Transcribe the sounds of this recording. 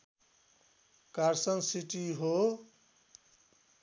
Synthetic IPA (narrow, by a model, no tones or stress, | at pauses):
kaɾsʌnsiʈiɦo